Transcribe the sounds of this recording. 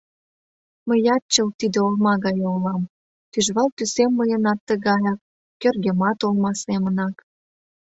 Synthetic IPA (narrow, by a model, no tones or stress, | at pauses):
məjɑt̪̚t͡ɕə̆lt̪id̪eolmɑɣɑjolɑm | t̪yʒβɑlt̪ysemːəjə̆nɑt̪ːə̆ɣɑjɑk̚ː | ørɣemɑt̪olmɑsemənɑk